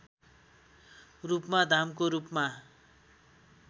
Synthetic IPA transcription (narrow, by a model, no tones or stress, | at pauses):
rupmad̪ʱamkoɾupma